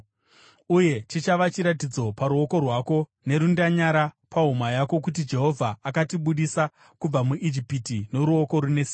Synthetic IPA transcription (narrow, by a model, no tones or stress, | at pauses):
uje̞t͡ʃit͡ʃaʋat͡ʃiɾat̬id͡zo̞paɾuo̞ko̞rwako̞ | ne̞ɾundaɲaɾapaɦumajako̞kutid͡ʒe̞ɦo̞vʱaːkatiɓuɗisa | kub͡vamuʔid͡ʒipitino̞ɾuo̞ko̞ɾunesi